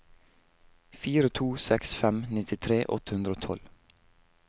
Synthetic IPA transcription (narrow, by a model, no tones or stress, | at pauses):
fiːɾət̪ʰuːsɛksfɛmnɪt̪ɪt̪ʰɾeːʔɔ̰t̪ə̥hʉnd̪ɾəoːt̪ʰɔ̰l